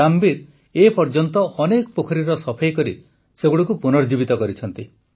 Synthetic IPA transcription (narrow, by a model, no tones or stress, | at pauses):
ambiɾ | epɔɾd͡ʒɔnt̪ɔʔɔnekɔpokʰɔɾiɾɔsɔpʰajkɔɾḭ | seɡuɽɔkupunɔɾd͡ʒibit̪ɔkɔɾit͡ʃʰɔnt̪i